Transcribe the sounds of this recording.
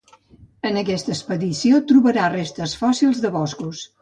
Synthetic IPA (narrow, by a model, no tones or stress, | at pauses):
ənəkɛst̪əspəðisiot̪ɾuβəɾarest̪əsfɔsilˠzðəβɔskus